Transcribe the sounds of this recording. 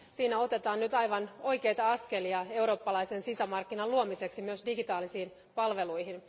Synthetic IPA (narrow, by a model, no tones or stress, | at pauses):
siːnæo̞t̪e̞t̪ɑːnnyt̪ɑjʋɑno̞jke̞jt̪ɑɑske̞liɑe̞wɾo̞ːpːɑlɑjsensisæmɑrkːinɑluomise̞ksimyøsdiɡit̪ɑːlisiːn | pɑlʋe̞luiɦin